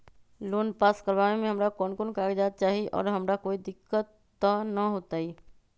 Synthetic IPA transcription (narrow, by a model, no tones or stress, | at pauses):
loːnpaːskəɾʋaːnemẽɦɐmɾakɔːnkonkaːɡd͡ʒaːt̪̚t͡ʃaːɦiiʔɔ̰ːɾɦɐmɾakoːid̪ɪkːət̪ːanɐɦoːt̪aːiː